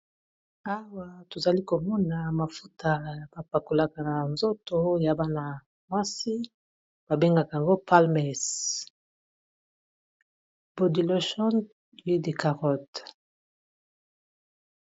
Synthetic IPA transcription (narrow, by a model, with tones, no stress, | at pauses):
a˦wa˨to˨za˨li˦ko˨mɔ˦na˨ma˨fu˦tʰa˨ja˨b̥a˨pa˨ko˨la˨ka˨na˨nzo˦to˦ja˨ba˦na˨ | mwa˦si˦ | b̥a˨be˦ŋɡa˨ka˨ja˨ŋɡo˦pa˦lmɛ˨s | b̥o˨di˨lo˦ʃɔ˦n | wi˦de˨ka˨ʁɔ˦t